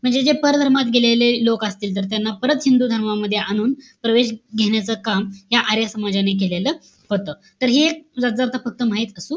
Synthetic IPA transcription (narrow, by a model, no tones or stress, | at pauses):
m̤əɳd͡zed͡zepəɾd̪ʱəɾmat̪ɡʱelelelokəst̪iːlt̪̬əɾt̪janːapəɾət̪ɦind̪uːd̪ʱəɾmaməd̪ʱːjeʔañuːnpɾəʋeɕ̬ɡʱeɳjat͡səːkamɦjaʔaɾjasəmad͡ʑanek̬eleləː | hot̪əː | t̪əɾɦed͡zad͡zaɾt̪afək̚t̪əm̤aɦit̪əsuː